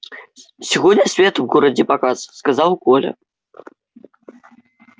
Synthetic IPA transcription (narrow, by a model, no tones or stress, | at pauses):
sʲiɣɔd̪ʲnʲɐsʲvʲɛt̪wɣɔɾɐd͡zʲɛpakasskazawkɔlʲɐ̰